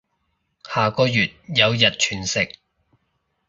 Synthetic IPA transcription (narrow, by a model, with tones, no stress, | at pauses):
haː˨˩kɔː˧jyː˨t̚jɐ˨˧wjɐ˨t̚t͡ʃʰyː˨˩nsɪ˨k̚